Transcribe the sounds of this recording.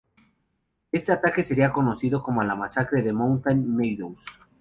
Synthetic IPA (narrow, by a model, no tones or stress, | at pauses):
e̞st̪e̞at̪ake̞se̞ɾiako̞no̞θiðoko̞moalamasakɾeðe̞mõwnt̪anːejðows